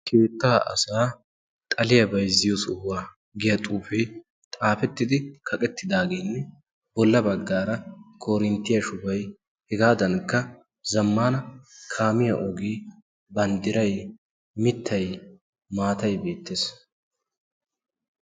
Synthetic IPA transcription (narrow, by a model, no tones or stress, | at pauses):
kʰeːt̪ːaːʔɐ̰saː | t̪ʼɐlɪjɐbɐjzɪjosʊwːaː | ɡɪjɐt̪ʼuːfɛ | t̪ʼaːfɛt̪ːɪd̪ɪkʰɐkʼɛt̪ːɪd̪aːɡenːɛ | bɔlːɐbɐɡːaːɾɐkʰoːɾɪnt̪ːɪjɐʃʊbɐj | hɛɡaːd̪ɐnkːɐ | zɐmːaːnɐkʰaːmɪjɐ̰ʔɔɡiː | bɐnd̪ɪɾɐj | mɪt̪ːɐj | maːt̪ɐjbe̞ːt̪ːeːs